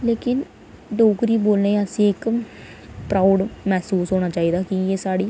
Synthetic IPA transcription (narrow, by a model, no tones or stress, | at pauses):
leːkɪn | ɖoːkɾiːboːlnẽːəsĩːɪk | pɾaːɖmɛːsuːsɦoːɽ̃aːt͡ʃaːiːd̪aːkɪjeːsaːɽiː